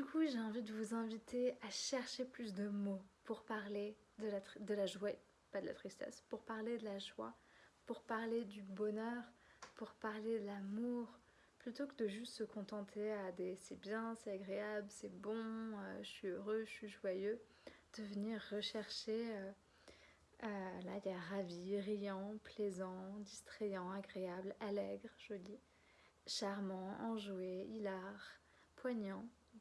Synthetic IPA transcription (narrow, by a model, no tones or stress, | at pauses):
d̪ykʰuʒeɛ̃vid̪əvuzɛ̃vit̪ʰeaʃɛʁʃeplys̬d̪əmopuʁpaʁle | d̪əlat̪χd̪əlaʒwɛ | pad̪əla̰t̪χist̪ɛ̰spuʁpaʁled̪əlaʒwa̰puʁpaʁled̪ybɔnœʁpuʁpaʁled̪əlamuʁ | plyt̪okəd̪əʒyst̪səkɔ̃t̪ɑ̃t̪ʰead̪esɛbjɛ̃sɛaɡʁeablsɛbɔ̃øʒəsɥiøʁøəsɥiʒwajø | d̪̥əvəniʁːəʃɛʁʃeø | ølailaʁaviʁijɑ̃plɛzɑ̃d̪ist̪χejɑ̃aɡʁeablalɛɡʁʒ̥ɔli | ʃaʁmɑ̃ɑ̃ʒweilaʁ | pwaɲɑ̃